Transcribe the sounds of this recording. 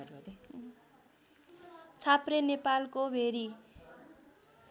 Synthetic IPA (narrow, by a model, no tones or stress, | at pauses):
ɾd̪ | t͡sʰaprenepalkobʱeɾi